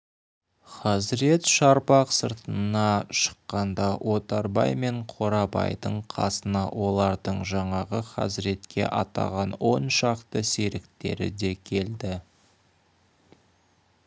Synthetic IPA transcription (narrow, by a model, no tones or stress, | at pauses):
χɑzɪɾe̞t̪ʃɑɾbɑqsəɾt̪ənɑʃə̥qːɑnd̪ɑwʔo̞t̪ɑɾbɑ̰jme̞ɴqʰo̞ɾɑbɑ̰jd̪əɴqʰɑ̰sənɑwo̞lˠɑɾd̪əɴʒɑɴɑʁəχɑ̰zɪɾe̞t̪kʲe̞̰ʔɑt̪ɑ̰ʁɑnwo̞nʃɑqt̪əse̞ɾɪkt̪e̞̰ɾɪ̰d̪e̞kʲʰe̞ld̪ɪ